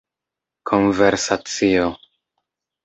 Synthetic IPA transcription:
kʰo̞nveɾsat͡sio

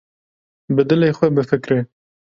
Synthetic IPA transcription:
bɨd̪ɨleːxʷɛbɨfɨkɾeː

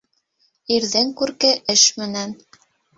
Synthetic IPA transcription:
iɾðɘŋkʉɾkɘʔɘʃmɘ̆næn

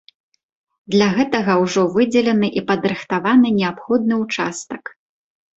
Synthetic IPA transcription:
d̪lʲaɣɛt̪ɐɣɐwʐɔvɨd͡zʲɛlʲɛnɨʔipɐd̪ɾɨxt̪avanɨnʲɛapxɔd̪̚nɨwt͡ʂast̪ɐk

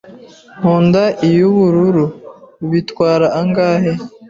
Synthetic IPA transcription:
huːndaʔijuβuɾuɾuβitwaːɾaːŋɡaːhe

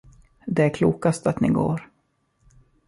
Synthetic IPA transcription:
d̪ɛækʰluːkast̪at̪nɪ̰ɡo̰ːɾ

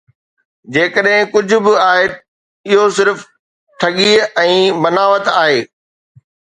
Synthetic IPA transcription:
d͡ʑeːkəɗɦɪ̃kʊd͡ʑʱʊ̆bɪaːɦe | ɪɦosɪɾf | ʈʰɐɠiɛ̃ːbɐnaːʋət̪aːɦeː

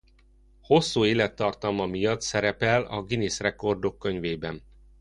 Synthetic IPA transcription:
ho̞sːuːeːlɛt̪ːɒrt̪ɒlmɒmijɒt̪sɛɾɛpɛlɒ̰ɡiniːsrɛko̞rd̪o̞kːø̞ɲveːbɛn

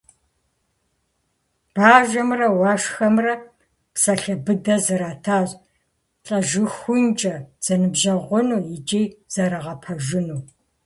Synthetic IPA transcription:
b̥aːʒʷɐmrɐwɑːʃxɐmrɐ | psɐɬɐbɨdɐzɨɾaːtʰaːzʼ | ɬʼɐʒɨxʷʊnt͡ʃʼɐd͡z̥ɐnɨbʒɐʁʷʊnuːjɪt͡ʃʼejz̥ɐɾɐʁɐpʰɐʒɪnuː

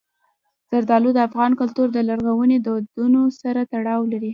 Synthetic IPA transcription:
z̥aɾd̪ɑlud̪əafɣɑnkʊlt̪uɾd̪əlaɾɣawəned̪əwad̪unosaɾat̪aɽɑwlaɾi

